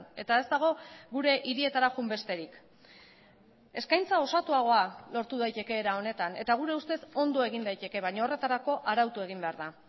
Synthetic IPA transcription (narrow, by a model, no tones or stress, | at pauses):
e̞t̪ae̞zd̪aɣ̞o̞ɣuɾe̞ʔiɾie̞t̪aɾaʝumbe̞st̪e̞ɾik | e̞skajnt͡sao̞sat̪uaɣ̞o̞alo̞ɾt̪uð̞ajt̪e̞ke̞ːɾao̞ne̞t̪ane̞t̪aɣ̞uɾe̞ust̪e̞so̞nd̪o̞e̞ɣ̞ind̪ajt̪e̞ke̞β̞aɲaore̞t̪aɾako̞ʔaɾawt̪ue̞ɣ̞imbe̞aɾða